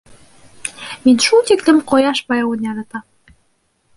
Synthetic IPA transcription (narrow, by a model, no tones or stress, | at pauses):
minʲʃut̪eklɘ̆mqojɑʃbɑjɑwunjɑlɤ̆t̪ɑ